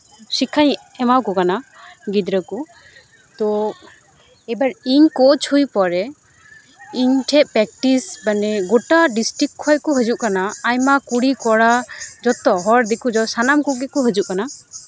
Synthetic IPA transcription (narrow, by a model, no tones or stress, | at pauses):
sikʰaɲ | ɛmawkɔkanaɡid̪ɾəku | t̪ɔ | ɛbaɾiɲkɔt͡ʃhujpɔɾɛ | iɲʈʰɛʔ̚pɾɛk̚ʈisbanɛɡɔʈaɖisʈɾikkʰːɔjkɔɦəd͡ʒuʔkanaːjmakuɽikɔɽad͡ʒɔt̪ɔɦɔɾd̪ikud͡ʒɔsanamkuɡɛkɔɦəd͡ʒuʔ̚kana